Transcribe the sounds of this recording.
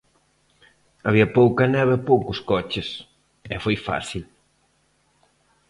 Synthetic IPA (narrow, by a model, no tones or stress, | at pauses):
ɐβiɐpowkɐnɛβepowkʊskɔt͡ʃɪs | ɛfojfa̰θsil